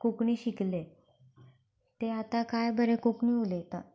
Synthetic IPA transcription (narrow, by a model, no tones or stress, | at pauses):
kokɳiːɕikle | t̪eat̪akajbəɾekokɳiulet̪a̰